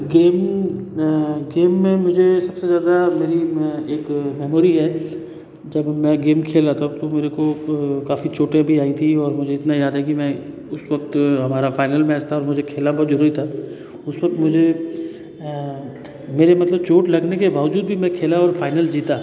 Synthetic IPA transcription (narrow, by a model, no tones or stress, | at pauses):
ɡeːm | ɡeːmːẽmʊd͡ʒʱesɐbsezjaːd̪ameːɾieːkmɛːmoːɾiɦɛ | d͡ʒɐbmɛ̃ɡeːmkʰeːlat̪ʰat̪omeːɾekokaːfit͡ʃoːʈẽbʱiaːit̪ʰiɔːɾmʊd͡ʒʱeɪt̪najaːd̪ɦɛkimɛ̃ | ʊswɐk̚t̪ɦɐmaːɾafaːɪnəlmɛːst̪ʰaɔːɾmʊd͡ʒʱekʰeːlnabʱɔːɾzʊɾuːɾit̪ʰaː | ʊswɐk̚t̪mʊd͡ʒʱe | meːɾemɐt̪ləb̚t͡ʃoːʈlɐɡnekebaːʋʊd͡ʒuːd̪̚bʱimɛ̃kʰeːlaɔːɾfaːɪnəld͡ʒiːt̪aː